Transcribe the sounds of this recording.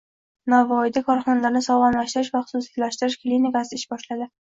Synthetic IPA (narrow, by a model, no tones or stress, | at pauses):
navɒjd̪akʰɒɾχɒnalaɾnɪsɒʁɑnlaʃt̪ɪɾɪʃvaχʊ̥sʊsjalaʃt̪ɪɾɪʃklʲinikasɪɪʃbɒʃlad̪ɪ